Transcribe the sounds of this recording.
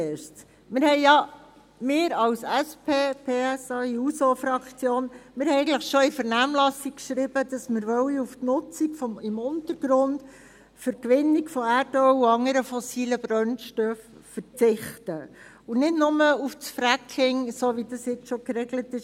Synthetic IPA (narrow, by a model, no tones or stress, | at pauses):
eːʃt͡s | mɪɾhɛɪjɑ | mɪːɾɑwsæspʰeːpʰeːæsɑiusofɾɑkt͡sjoːnmɪɾhɛɛɪn̩ləxʃoɪfəɾnæmlɑsik̚kʃɾib̥əd̥ɑsmɪɾʋœwiuftnʊt͡sikfɔɪmʊntəɾɡ̥ɾʊnd | fəɾkʋɪnːikfɔæɾdɔuɑŋəɾəfɔsiːləb̥ɾœnʃtøf | fəɾt͡sɪχtə | ʊnɪdnʊməufsfɾækʰɪŋsoʋid̥ɑsjɪt͡sʃɔkɾɛɡlətɪʃ